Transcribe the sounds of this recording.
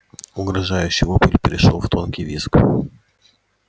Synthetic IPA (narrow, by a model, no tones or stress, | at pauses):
ʊɡɾɐʐajʉɕːɪvopɨlʲpʲɪɾʲɪʂo̰lˠft̪ʰo̞nkʲɪjvʲisk